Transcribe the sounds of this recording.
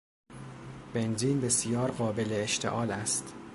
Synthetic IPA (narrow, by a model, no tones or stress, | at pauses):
b̥e̞nziːmbe̞sijɒːɾɢɒːbe̞leːʃt̪ʰe̞̰ʔɒːlæst̪